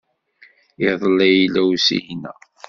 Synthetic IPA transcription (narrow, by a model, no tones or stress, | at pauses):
iðˤlæjlːæwsḭjnæ̰